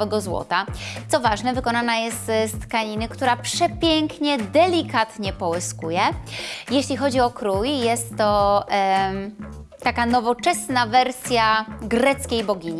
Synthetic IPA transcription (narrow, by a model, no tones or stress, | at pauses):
vɛɡɔzwɔ̰t̪at̪sɔvaʐnɛvɘkɔnanajɛst̪st̪kaɲinɘkt̪uɾapʂɛpʲjɛŋkɲɛd̪ɛlʲikat̪ɲɛpɔwɘskujɛjeɕlʲixɔd͡ʑiɔkɾujjɛst̪ːɔ | t̪ːakanɔvɔt͡ʂɛsnavɛɾsʲjaɡɾɛt̪skʲejbɔɡʲiɲi